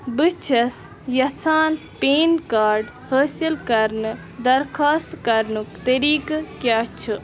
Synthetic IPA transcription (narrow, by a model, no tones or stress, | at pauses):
bɨt͡ʃʰɐs | jɐt͡sʰaːn | peːnkaːɾɖ | həːsilkɐɾnɨ | d̪ɐɾkʰaːst̪kɐɾnukt̪ɐɾiːkɨkjaːt͡ʃʰɨ